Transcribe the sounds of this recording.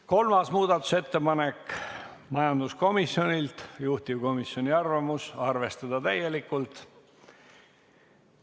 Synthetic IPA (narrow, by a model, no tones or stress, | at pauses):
ko̞lmɑsmuːd̪̥ɑt̪ːˑu̥se̞t̪ːe̞pɑne̞kː | mɑjɑnd̪̥usko̞misːjo̞nʲilt̪juht̪ivko̞misjo̞nʲiɑrvɑmusɑrve̞st̪ɑd̪̥ɑt̪æje̞likːˑult̪ˑ